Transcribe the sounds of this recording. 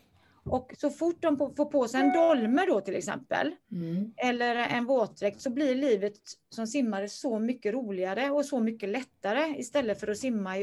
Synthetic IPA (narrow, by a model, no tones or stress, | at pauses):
ʔɔksɔfʊʈ̚ːd̪ɔmpfoːɾpʰoːsɛjɛnd̪ɔlməɖɔt̪ʰɪlɛ̰ksɛ̰mpə̰l | ɛlːəɾɛnvoːt̪̚ɾɛk̚t̪sɔblɪɭiːvət̪sɔmsɪmːaɾəsɔmʏkːəɾuːlɪaɾəɔsɔmʏkːəlɛt̪ːaɾəɪst̪ɛlːəfœɾɔsɪmːaɪ